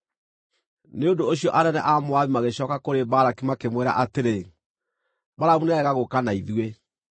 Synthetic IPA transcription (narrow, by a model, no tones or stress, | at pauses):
neondoːɕiɔʔanɛnɛ̰ʔamoaβimaɣeɕɔːkakoɾebaɾakimakemweɾa̰ʔateɾe | baɾamunɛɛɣaɣokanaiðwe